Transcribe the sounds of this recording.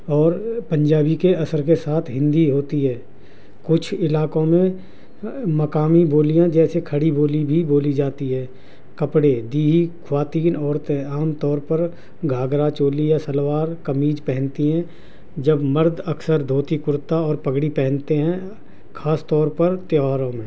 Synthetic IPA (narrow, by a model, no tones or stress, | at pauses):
ɔːɾpə̃ɲd͡ʒaːbikeɐsəɾkesaːt̪ʰɦɪ̃nd̪iɦoːt̪iɦɛː | kʊt͡ʃʰɪlaːkõmẽ | mɐkaːmiboːlijãd͡ʒɛːsekʰəɽiboːlibʱiboːlid͡ʒaːt̪iɦɛː | kɐpɽed̪iːɦikʰwaːt̪iːnɔːɾt̪ɦɛ̃aːmt̪ɔːɾpəɾ | ɡʱaːɡɾat͡ʃoːlijasəlwaːɾkəmiːd͡ʒpɛɦə̃nt̪iɦɛ̃ː | d͡ʒəbməɾd̪əksəɾd̪ʱoːt̪ikʊɾt̪aɔːɾpəɡɽipɛɦɛ̃nt̪eɦɛ̃ | kʰaːst̪ɔːɾpəɾt̪jaːɾõmẽː